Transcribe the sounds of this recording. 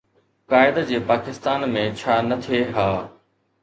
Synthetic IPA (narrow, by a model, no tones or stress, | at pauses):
kaːɪd̪d͡ʑeːpaːkɪst̪aːnmẽt͡ɕʰaːnɐt̪ʰeɦaː